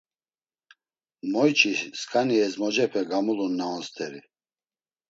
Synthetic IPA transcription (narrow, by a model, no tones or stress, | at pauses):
mɔjt͡ʃʰʼiskʼʰaniɛzmɔd͡ʒɛpʰɛɡamulunːaɔnst̪ʰɛɾi